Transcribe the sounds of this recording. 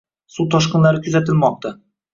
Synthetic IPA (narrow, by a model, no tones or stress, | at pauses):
sut̪ʰɒʃqɨnlaɾɪkʲʰʊzat̪ɪlmɒq̚t̪a